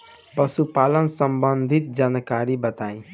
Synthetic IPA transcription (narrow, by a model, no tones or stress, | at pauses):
pəsupalənsəmbənd̪ʱit̪̚d͡ʒankaɾibət̪aĩ